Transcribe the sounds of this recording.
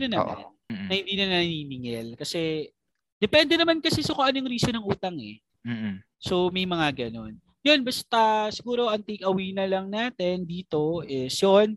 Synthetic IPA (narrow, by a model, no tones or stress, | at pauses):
nɐnɐ̰m̰nːɐhɪnd̪iːnɐnɐɐniːnɪŋɛlkɐsɛ | d̪ɛpɛnd̪ɛnɐmankɐsɛsɐkoʔɐnojʊŋɾiːsonɐŋʔuːt̪ɐŋɛ̰ | so̞mɐjmɐŋaɡɐno̞n | jo̞nbɐst̪ɐsɪɡuːɾo̞ʔɐŋt̪ijkɐwiːnɐlɐŋnaːt̪ɛnd̪iːt̪o̞ʔɪsjon